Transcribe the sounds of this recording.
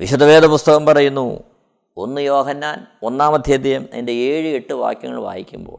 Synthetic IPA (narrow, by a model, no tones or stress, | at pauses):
ʋiɕud̪ʱɐʋe̞ːd̪ʱɐpust̪ɐɣɐmpɐrɐjunːu | o̞nːɨjo̞ːɦɐnːaːn | o̞nːaːmɐd̪ʱjed̪ijɐmɐ̰ndeeːɻɨe̞ʈːɨʋa̰ːkjɐŋːɐ̰ɭʋa̰ːjikʲːumbo̞̰ːɭ